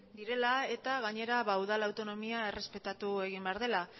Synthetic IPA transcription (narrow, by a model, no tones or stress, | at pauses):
d̪iɾe̞lae̞t̪aɣ̞aɲe̞ɾaβawðalawt̪o̞no̞miae̞re̞spe̞t̪at̪ue̞ɣ̞imbe̞aɾð̞e̞la